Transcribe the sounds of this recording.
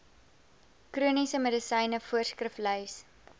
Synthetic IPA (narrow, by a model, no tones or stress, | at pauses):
kruənisəmədəsɛjnəfuərskrəflœjs